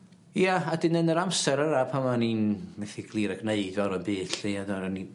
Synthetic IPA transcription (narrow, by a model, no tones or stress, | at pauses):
jaadɪnənəɾamsɛɾəɾapʰamaninmɛθiɡ̥lˠiːɾəɡneɨdvɔɾənbɨːtɬiadaɾni